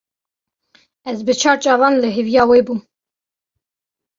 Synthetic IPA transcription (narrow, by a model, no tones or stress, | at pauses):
ɛzbɨt͡ʃʰɑːɾt͡ʃʼɑːvɑːnlɨɦivjɑːweːbuː